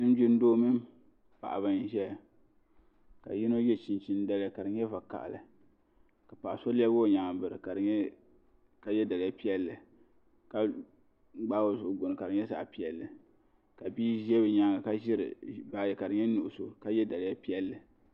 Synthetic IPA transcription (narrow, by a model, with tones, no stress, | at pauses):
nɨ˦n˦d͡ʒɪ˦n˦doː˦mɨ˦m | pa̰˨ʔa˨bɨ˨nʒɛ˦ | ka̰˨ji˦no˦jɛ˦t͡ʃi˨nt͡ʃi˦n˦da˦lɨ˦ka˨ɾɨ˨ɲɛ˦va˨ka̰˨ʔlɨ˨ | ka˨pa˨ʔso˦li˦ɛ˦bo˦˨ɲa˨bɨ˨ɾɨ̰˨ka˨˦ | ka˨jɛ˦da˨lja˦pi˦ɛ˦lːɨ˨ | ka˨˦ | ɡ͡ba˦o˦˨zʊ˨ʔʊ˨˦ɡo˨nɨ˨ka˨ɾɨ˨ɲɛ˦sa̰˨ʔpi˦ɛ˨lːɨ˨ | ka˨biː˦ʒɛ˦bɨ˨ɲa˨ŋa˨ka˦ʒɪ˦ɾɨ̰˨ba˨jɛ˨ka˨ɾɨ˨ɲɛ˦nu˨ʔʊ˨so˨ka˦jɛ˦da˨lja˦pi˦ɛ˦lːɨ˨